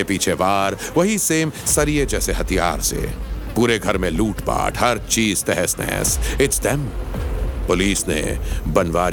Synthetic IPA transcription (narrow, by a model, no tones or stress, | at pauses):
epiːt͡ʃʰeʋaːɾʋɐɦiseːmsɐɾied͡ʒɛːseɦɐt̪ʰijaːɾsḛpuːɾeɡʱɐɾmẽluːʈpa̰ːʈʰhɐɾt͡ʃiːz̥t̪ɛɦɛsnɛ̰ːsɪʈsd̪ɛm | pʊliːsnḛbɐnʋaːɾ